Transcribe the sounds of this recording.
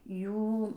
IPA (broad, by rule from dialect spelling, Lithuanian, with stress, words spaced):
ˈjuː